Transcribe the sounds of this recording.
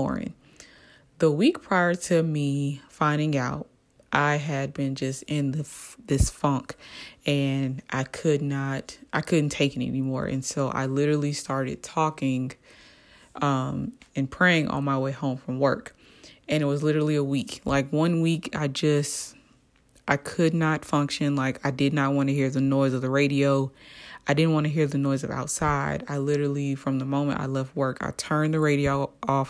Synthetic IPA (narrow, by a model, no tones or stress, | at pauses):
ɔ̰ɹɪ̰̃ŋ | ðəwik̚pʰɹ̥aɪə˞ɾɨmifãɪ̃ndɪ̃ŋaʊt̚ | ʔaɪɨd̚bɨ̃nd͡ʒʌstɪ̃nðɨðɪsfʌ̃ŋkɨ̃nʔa̰ɪkʰɨdⁿnəɾʔaɪkʰʊdⁿn̩tʰeɪkɨ̃nɛ̰nimɔ̰ɹʔɨ̰̃nsoʊʔa̰ɪlɪɾə˞l̩ˠistɑɹɾɨ̰d̚tʰɔkɪ̃ŋ | ʔʌ̃mɨ̃npʰɹ̥eɪɪ̃ŋʔɔ̰lˠmaɪweɪhõʊ̃ɱfɹʌ̃mwɜ̰˞k | ɨ̃ñɨt̚wʌzlɪɾə˞l̩ˠiəwiklaɪkwʌ̃nwika̰ɪd͡ʒʌst | ʔaɪkʰɨdⁿnətfʌ̃ŋkʃɨ̃nlaɪkaɪdɨdⁿnɨt̚wɑ̃nɨɦiɹðɨnɔɪzʌvðɨɹeɪɾioʊaɪdɪdⁿn̩ʔwɑ̃ñɨɦiɹðɨnɔɪzʌva̰ʊtsaɪɾa̰ɪlɪɾə˞l̩ˠifɹʌ̃mðəmõʊ̃mɨ̰̃nta̰ɪlɛft̚wɜ˞kʰa̰ɪtʰɜ̃˞nðɨɹeɪɾioʊʔɔf